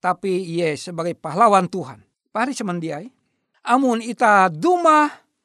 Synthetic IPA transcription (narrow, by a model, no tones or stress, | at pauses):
t̪apiːɛsəbaɡajpaɦlawant̪uɦa̰n | paɦaɾisəmandiai | ʔamunit̪aduma